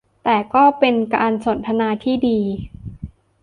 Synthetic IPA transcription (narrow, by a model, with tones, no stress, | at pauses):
t̪ɛː˨˩kɔː˥˩pe˧nkaː˧nso˩˦nt̪ʰa˧naː˧t̪ʰiː˥˩diː˧